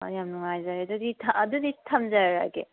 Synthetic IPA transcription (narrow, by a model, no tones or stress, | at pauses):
jamnɯŋajzaɾedɯditʰɐdɯditʰamzaɾa̰ɡe